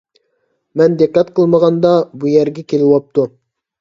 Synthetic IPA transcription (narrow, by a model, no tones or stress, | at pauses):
mɛnd̪eqːɛt̪qʰəlˠməʁɑnd̪ɑbujæɾɡʲɛkʲʰelɪwɑp̚t̪u